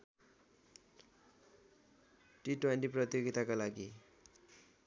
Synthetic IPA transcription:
ʈiʈwenʈiprʌt̪ijoɡit̪akolaɡi

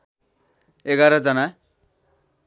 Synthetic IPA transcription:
eɡaɾʌd͡zʌna

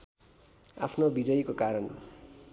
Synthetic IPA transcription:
a̰pʰnobid͡zʌjkokaɾʌn

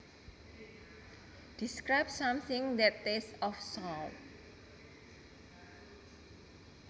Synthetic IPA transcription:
d̪̥iskɾaɪbsãmθɪ̃ŋd̪ɛt̪ːesɔfsɔl

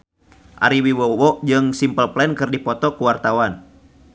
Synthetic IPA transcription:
ʔa̰ɾiwiwɔwɔʔd͡ʒɨŋsimpəlplɛnkɨrdipɔt̪ɔkuwart̪awan

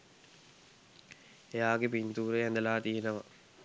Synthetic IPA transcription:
ejaːɡepint̪uːɾejɛnd̪ɐlaːt̪ijenəʋɐ

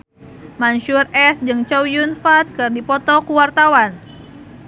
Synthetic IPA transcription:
manʃurɛsd͡ʒɨŋt͡ʃɔwjunfat̪̚kɨrdipɔt̪ɔkuwart̪awan

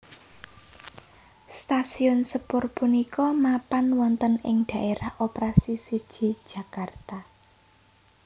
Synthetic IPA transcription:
st̪asiʊnsəpʊrpunikɔmapanwɔnt̪ənɪ̰ŋɖ̪̥ä̤ʔeɾahopɾasisid̥ʒ̥i̤̥ʒ̥a̤kart̪a

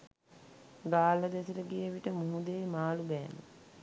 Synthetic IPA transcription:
ɡaːləd̪esələɡeəʋiʈəmuɦud̪eːmaːlubɛːmə̰

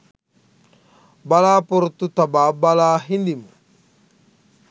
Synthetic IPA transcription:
balaːpoɾut̪ːut̪abaːbalaːɦind̪imu

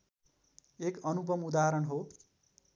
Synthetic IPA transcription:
ekʌnupʌmud̪aɦʌɾʌɳɦo

